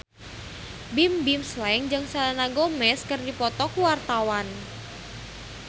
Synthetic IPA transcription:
bɪmbimslaɪŋd͡ʒɨŋsalanaɡomɛskərdipɔt̪ɔkuwart̪awan

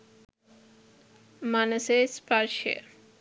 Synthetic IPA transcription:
manəseːspaɾʃə̰

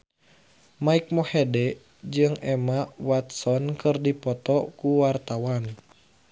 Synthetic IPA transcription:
maik̚mɔhɛdɛ | d͡ʒɨŋɛmawat̪̚sɔnkɨrdipɔt̪ɔkuwart̪awan

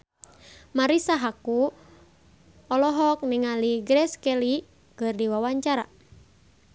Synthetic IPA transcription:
maɾisaɦaku | ɔlɔɦɔk̚niŋaliɡɾɛskɛli | kɨrdiwawaɲt͡ʃaɾa

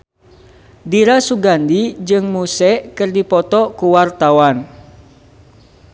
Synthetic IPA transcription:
diɾasuɡandid͡ʒɨŋmusɛʔkɨrdipɔt̪ɔkuwart̪awan

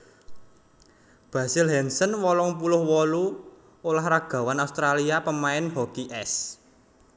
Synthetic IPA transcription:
b̥a̤sɪlɦɛnsənwɔlɔŋp̬ulʊhwɔlu | olahɾaɡ̥ä̤wanaust̪ɾaliapəmaɪnɦɔkiʔɛs

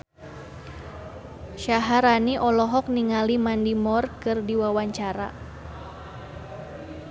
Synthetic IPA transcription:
ʃaɦaɾaniʔɔlɔɦɔk̚niŋalimandimɔrkɨrdiwawaɲt͡ʃaɾa̰

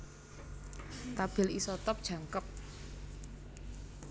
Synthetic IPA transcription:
t̪ab̥ɪ̤lisɔt̪ɔp̚d̥ʒ̥ä̤ŋkəp̚

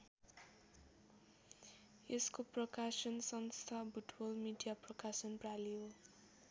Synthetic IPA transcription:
eskoprʌkasʌnsʌnst̪ʰabʱuʈbʌlmiɖijaprʌkasʌnpraliɦo

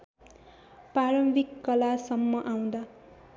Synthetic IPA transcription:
paɾʌmbikːʌlasʌmːʌʔaw̃d̪a

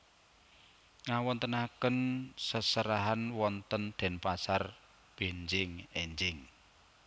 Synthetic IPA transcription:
ŋawɔnt̪ənakənsəsəɾaɦanwɔnt̪ənd̪̥ɛ̤npasar | b̥e̤ɲd͡ʒɪŋeɲd͡ʒɪŋ

